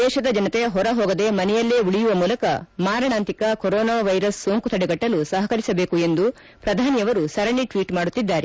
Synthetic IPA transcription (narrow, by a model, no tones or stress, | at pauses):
d̪ɛːʃɐd̪ɐd͡ʒɐnɐt̪ɛɐɦɔɾɐɦɔːɡɐd̪e̞mɐnɛjɐlːeːuɽijuʋɐmuːlɐkɐmaːɾɐɳaːnt̪ikɐkoɾɔːnaːʋɐjɾɐsːoːŋkut̪ʰɐɽɛɡɐʈːɐlusɐɦɐkɐɾisɐbe̞ːkue̞nd̪u | pɾɐd̪ʱaːnijɐʋɐɾusɐɾɐɳiʈʋiːʈmaːɽut̪ːid̪ːaːɾe